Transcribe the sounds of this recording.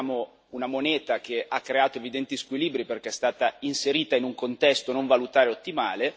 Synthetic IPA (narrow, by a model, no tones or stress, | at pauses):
mo | unamoneːt̪ak̟eʔakːɾeaːt̪oevid̪ɛnt̪iskwiliːbɾiperk̟eɛst̪aːt̪ainseɾiːt̪ainuŋkont̪ɛst̪onoɱvalut̪aːɾeot̪ːimaːle